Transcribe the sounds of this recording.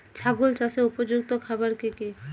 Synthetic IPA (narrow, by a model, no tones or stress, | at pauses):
t͡ɕʰaɡult͡ʃaseupod͡ʑuk̚t̪okʰabaɾkiki